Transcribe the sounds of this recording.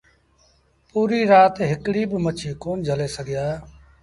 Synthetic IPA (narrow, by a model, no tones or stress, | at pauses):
puːɾiːɾaːt̪ɦɪkɽiːbɪmət͡ʃʰiːkoːnd͡ʒʱəleːsəɡɪjaːe